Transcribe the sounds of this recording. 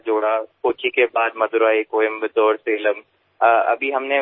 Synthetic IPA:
d͡ʒoːɽapoːt͡ʃʰikebaːd̪mɐd̪ʊɾaːekoːjəmbɪd̪ɔːɾseːləm | ɐ̰bʱiɦɐmne

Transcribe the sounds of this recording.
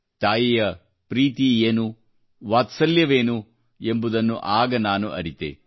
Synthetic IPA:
t̪aːjijɐ | pɾiːt̪ieːnu | ʋaːt̪sɐljɐʋeːnu | e̞mbud̪ɐnːṵʔaːɡɐnaːnṵʔɐ̰ɾit̪ḛ

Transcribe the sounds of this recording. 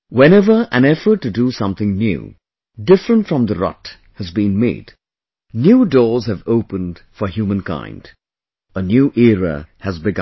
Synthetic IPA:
wɛ̃ñɛvə˞ʔæ̃nɛfə˞tːɨdusʌ̃mθɪ̃ŋnjṵ | dɪfɹə̃ntfɹʌ̃mðəɹɑ̰t | hɨzbĩnmḛɪd | njuːdɔːɹzhɨvoʊpə̃nd̥fə˞ɦjuːmə̃nkʰã̰ɪ̃nd̥ | ənjuːʔiɹə̰hɨzbɨɡ

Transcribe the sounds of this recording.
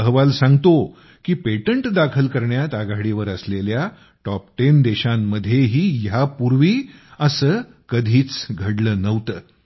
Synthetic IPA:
əɦʋalsãŋɡt̪o | kiːpeʈəɳʈd̪akʰəlkəɾɳjat̪aɡaɽiʋəɾəslelja | ʈɔp̚ʈend̪eɕamːəd̪ʱjeɦiːjapuɾʋiːəsəː | kəd̪ʱiːt͡sɡʱəɽlənəʋt̪əː

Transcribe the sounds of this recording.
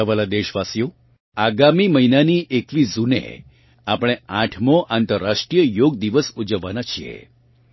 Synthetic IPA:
əʋalad̪eʃʋasjo | aɡamiməinaniʔekʋid͡zunḛ | apɽ̃eãʈʰmoʔant̪əɾːaʂʈɾijəjoɡ̚d̪iʋəsud͡ʒəʋːanat͡ʃʰiḛ

